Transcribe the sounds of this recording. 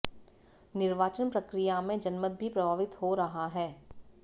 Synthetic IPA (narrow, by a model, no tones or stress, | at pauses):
nɪɾʋaːt͡ʃənpɾɐkɾijamẽd͡ʒɐnmət̪̚bʱipɾɐbʱaːʋɪt̪hoɾɐɦaɦɛː